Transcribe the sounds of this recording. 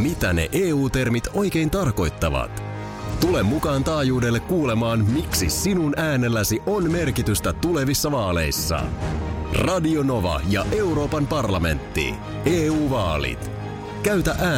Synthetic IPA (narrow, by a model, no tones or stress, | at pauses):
mit̪æne̞̰ʔeːuːt̪e̞rmit̪o̞jk̟e̞jnt̪ɑrko̞jt̪ːɑʋɑ̰t̪ | t̪ule̞mːukɑːnt̪ɑːjuːde̞lːekːuːle̞mɑːnmiksisinunæːne̞lːæsiʔo̞nme̞rkit̪yst̪æt̪ule̞ʋisːɑʋɑːle̞̰jsːɑ̰ | rɑdio̞no̞ʋɑ̰jɑʔe̞uɾo̞ːpɑmpɑrlɑme̞̰nt̪ːḭ | eːuːʋɑːlḭt̪ | kæyt̪æʔæː